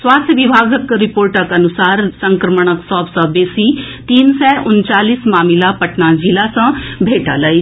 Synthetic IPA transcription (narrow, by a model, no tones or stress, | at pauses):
swaːst̪ʰjəʋibʱaːɡəkɾɪpoːɾʈəkɐnʊsaːɾsə̃ŋkɾəməɳ̃əksɔːbsãːbeːsi | t̪iːnsɛːʔʊnt͡ʃaːliːsmaːmilapəʈnad͡ʒilasə̃bʱeːʈaləi